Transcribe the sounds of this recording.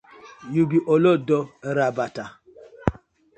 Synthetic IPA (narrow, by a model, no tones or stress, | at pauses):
juɡiʔolodɔɾabata